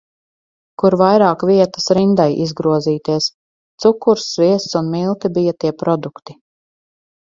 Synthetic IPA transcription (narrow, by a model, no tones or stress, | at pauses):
kuɾvajɾaːkvʲiɛt̪ḁsɾind̪ajizɡɾuɔziːt̪iɛs | t̪sukːuɾsviɛst̪sunmilˠt̪ibijat̪iɛpɾɔd̪ukt̪i̥